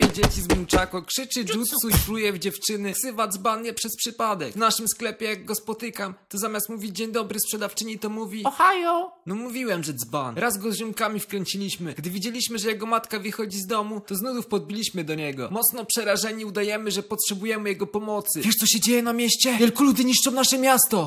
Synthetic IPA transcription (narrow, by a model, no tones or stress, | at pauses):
ɛd͡ʑet͡ɕizmut͡ʂakɔkʂɘt͡ʂɘʐut̪sufɾujɛvd͡ʑɛft͡ʂɘnɘksɘvad̪zbanjɛpʂɛspʂɘpad̪ɛkvnaʂɘmsklɛpʲjɛjaɡɡɔspɔt̪ɘkamt̪ɔzamʲjast̪muvʲid͡ʑd͡ʑeɲd̪ɔbɾɘspʂɛd̪aft͡ʂɘɲit̪ɔmuvʲiɔxajɔnɔmuvʲiwɛmʐɛd̪zbanɾazɡɔzʐɘmkamʲifkɾɛɲt͡ɕilʲiɕmɘɡd̪ɘvʲid͡ʑelʲiɕmɘʐɛjɛɡɔmat̪kavɘxɔd͡ʑizd̪ɔmut̪ɔznud̪ufpɔd̪̚bʲilʲiɕmɘd̪ɔɲɛɡɔ̰mɔt̪snɔpʂɛɾaʐɛɲiud̪ajɛmɘʐɛpɔtʂɛbujɛmɘjɛɡɔpɔmɔt̪sɘvʲɛʂt̪ɔɕɛd͡ʑejɛnamʲjɛɕt͡ɕɛvʲjɛlkulud̪ɘɲiʂt͡ʂɔ̃w̃naʂɛmʲjast̪ɔ